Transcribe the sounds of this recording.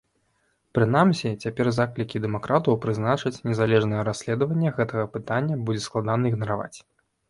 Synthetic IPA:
pɾɨn̪amsʲit͡sʲapʲɛrzaklʲikʲid̪ɛmakɾʔat̪ɐwpɾɨznat͡ʂɨt͡sʲnʲɛzalʲɛʐnɐjɛɾasʲlʲɛd̪ɐvɐnʲːɛɣɛt̪ɐɣɐpɨt̪anʲːɐbud͡zʲɛsklˠad̪anɐiɣnɐɾava̰t͡sʲ

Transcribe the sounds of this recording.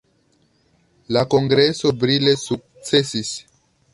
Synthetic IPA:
lako̞ŋɡɾe̞so̞bɾile̞suk̚t͡se̞sis

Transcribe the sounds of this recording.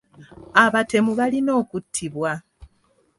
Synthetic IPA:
aβate̞muβalino̞ːkutʰːiβwa

